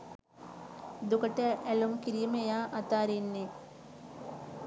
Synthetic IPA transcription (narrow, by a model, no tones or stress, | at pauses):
d̪ukəʈəʔælumkiɾijmejaːʔat̪aːɾinːe